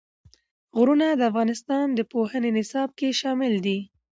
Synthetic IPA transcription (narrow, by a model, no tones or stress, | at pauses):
ɣɾunad̪əafɣɑnɪst̪ɑnd̪əpohənenɪsɑb̚keʃɑmɪld̪i